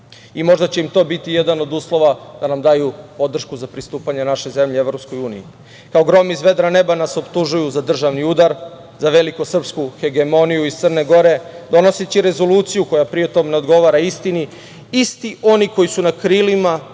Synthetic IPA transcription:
imo̞ʒd̪at͡ɕe̞imt̪o̞ːbit̪ijed̪ano̞d̪uːslˠo̞ʋad̪̥anamd̪aːjupo̞d̪r̩ʃkuzapɾist̪uːpaɲenaʃe̞ze̞mʎee̞ʋɾo̞psko̞juːnḭji | kaoɡɾo̞mizʋe̞d̪ɾane̞banaso̞pt̪uʒujuzad̪r̩ʒaʋniud̪aɾ | zaʋe̞likosr̩pskuxe̞ɡemo̞nijuist̪ərne̞ɡo̞ɾe̞d̪o̞no̞set͡ɕiɾe̞zo̞luːt̪sijuko̞japɾiet̪o̞ːmneo̞d̪ɡo̞ʋaɾaist̪ini | ist̪iʔo̞niko̞jisunakɾilima

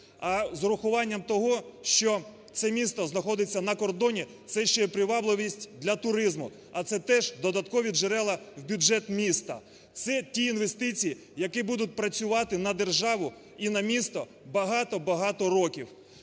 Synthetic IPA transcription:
ɐzɾʊxʊʋɑnʲːɐmt̪ɔɦɔʃt͡ʃɔ | t̪sɛmʲist̪ɔznɐxɔd̪ɪt͡sʲːɐnɐkɔrd̪ɔnʲi | t̪sɛʃt͡ʃɛɛpɾɪʋɑblˠɪʋʲisʲtʲd̪lʲɐt̪ʊɾɪzmʊ | ɐt̪sɛt̪ɛʒd̪ɔd̪ɐt̪kɔʋʲiʒeɾɛlˠɐwbʲʊd͡ʒɛt̪mʲist̪ɐ̰ | t̪sɛtʲiinʋest̪ɪt͡sʲiji | jɐkɪbud̪ʊt̚ʲpɾɐt͡sʲʊʋɑt̪ɪnɐd̪e̞rʒɑʋʊ | inɐmʲist̪ɔ | bɐɦɑt̪ɔbɐɦɑt̪ɔɾɔkʲiw

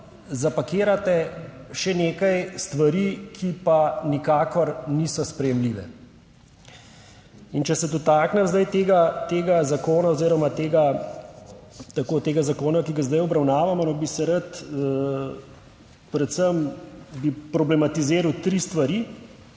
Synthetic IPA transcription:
zapakeːɾat̪ɛ | ʃɛneːkajst̪ʋaɾiːkʰipanikaːkɔɾniːsɔspɾɛjɛmliːʋɛ̰ | int͡ʃɛsɛd̪ɔt̪aːknɛmzd̪ajt̪eːɡat̪eːɡazakoːnaoziːɾɔmat̪eːɡa | t̪akoːt̪eːɡazakoːnakiɡazd̪ajɔbɾawnaːʋamɔnɔbisɛɾat̪ | pɾɛt̪səmbipɾɔblɛmat̪izeːɾawt̪ɾiːst̪ʋaɾiː

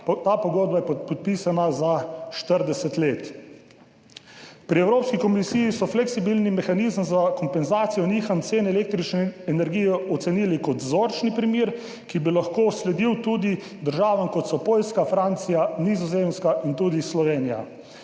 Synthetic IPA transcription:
t̪aːpɔɡoːd̪̚bajɛpɔt̪̚piːsanazaʃt̪əɾd̪ɛsɛt̪leːt̪ | pɾiɛwɾoːpskikɔmisijisɔflɛksibilnimɛxanizmzakɔmpɛnzaːt̪sijɔniːxant̪seːnɛɛlek̚t̪ɾit͡ʃnɛɛnɛɾɡijɛɔt̪sɛniːlikɔt̪zoːɾt͡ʃnipɾimiɾ | kibilaxkoːslɛd̪iwt̪ud̪i | d̪əɾʒaːʋamkɔt̪sɔpoːlskafɾant̪sijanizɔzemskaʔint̪uːd̪islɔʋeːnija̰

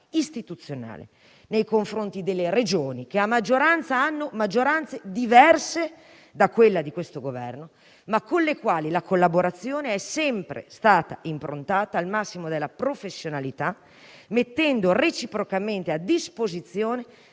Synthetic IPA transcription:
ist̪it̪ut̪sːjona̰ːlḛ | nejkoɱfɾont̪id̪elːered͡ʒoːnik̟eamːad͡ʒːoɾant̪saanːomad͡ʒːoɾant̪sed̪ivɛrse | d̪akːwelːad̪ikwest̪oɡovɛ̰rno | makːonlekwaːlilakolːaboɾat̪sːjoːneɛsɛmpɾḛst̪aːt̪a̰ʔimpɾont̪aːt̪aːlmasːimod̪elːapɾofesːjonalit̪a | met̪ːɛnd̪oret͡ʃipɾokament̪ead̪ispozit̪sːjoːne

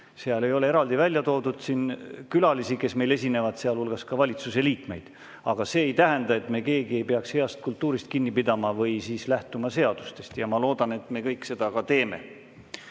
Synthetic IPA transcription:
seɑle̞jo̞le̞eɾɑld̪ivælʲjɑt̪o̞ːd̪ud̪̥sinkylɑlisike̞sme̞jle̞sʲine̞vɑd̪̥seɑlulɡ̥ɑskɑvɑlʲit̪suse̞liːkme̞jd̪̥ | ɑɡ̥ɑse̞ːjt̪æɦend̪ɑe̞t̪me̞ke̞ːɡie̞jpe̞ɑkshe̞ɑst̪̚kult̪ːˑuːɾist̪̚kinːipid̪ɑmɑvɤjsiːslæht̪umɑse̞ɑd̪̥u̥st̪e̞st̪jɑmɑlo̞ːd̪ɑne̞t̪ːˑme̞kɤjkse̞d̪̥ɑkɑt̪e̞ːme̞̰

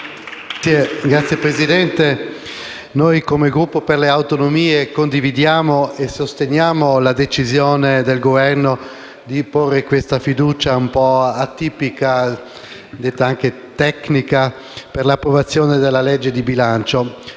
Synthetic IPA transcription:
ieɡɾat̪sjepɾezid̪ɛnt̪e | nojkomeɡɾupːoperleawt̪onomiːekond̪ivid̪jaːmoesost̪enjaːmolad̪et͡ʃizjoːned̪elɡovɛrno | d̪iporːekwest̪afid̪uːt͡ʃaumpɔat̪ːiːpika | d̪et̪ːaaŋke | t̪ɛknika | perlapːɾovat̪sːjoːned̪elːalɛd͡ʒːed̪ibilant͡ʃo

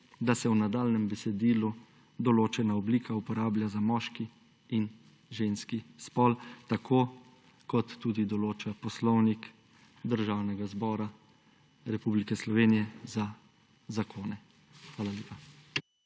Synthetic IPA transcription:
d̪asɛwnad̪aːlnɛmbɛsɛd̪iːlu | d̪ɔloːt͡ʃɛnaɔbliːkʰaupɔɾaːblʲjazamɔʃkiː | n | ʒenskispɔlt̪akʰoː | kɔt̪ːuːd̪id̪ɔloːt͡ʃapɔslɔwnik | d̪əɾʒaːwnɛɡazbɔːɾa | ɾɛpublikɛslɔʋeːnijɛza | zakʰoːnɛ | xʋaːlalʲeːpa

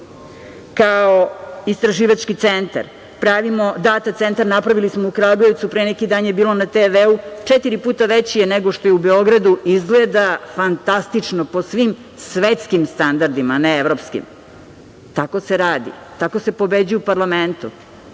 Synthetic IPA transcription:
kaoist̪ɾaʒiːʋat͡ʃkit̪sent̪a̰ɾ | pɾaʋimo̞d̪aːt̪at̪se̞nt̪aɾnapɾaʋilismoukɾaɡoe̞ʋt̪supɾenekid̪aːnjebiːlo̞nat̪eʋeut͡ʂet̪iɾipuːt̪aʋet͡ɕijeneɡo̞ʃt̪o̞jeubeo̞ɡɾad̪uizɡled̪afant̪ast̪it͡ʂnopo̞sʋim | sʋet̪skimst̪and̪aɾd̪imaneevɾo̞pskḭm | t̪ako̞seɾaːd̪ḭ | t̪akose̞po̞bed͡ʑujupaɾlˠament̪u

